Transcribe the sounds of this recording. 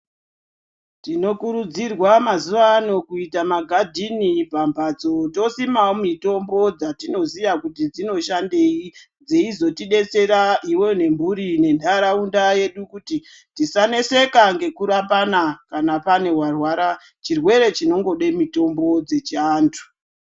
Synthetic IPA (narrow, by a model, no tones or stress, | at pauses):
tino̞kuɾud͡zirwamazuʋano̞kuitamaɡʱadʱinipambat͡so̞to̞simawomito̞mbo̞d͡zatino̞ziʋakutid͡zino̞ʃande̞i | d͡zeizo̞tiɗe̞t͡se̞ɾaiwo̞ne̞mbuɾine̞ndʱaɾaundaje̞ɗukuti | tisane̞se̞kaŋɡe̞kuɾapanakanapane̞warwaɾa | t͡ʃirwe̞ɾe̞t͡ʃino̞ŋɡo̞ɗemito̞mbo̞d͡ze̞t͡ʃaːntʰu̥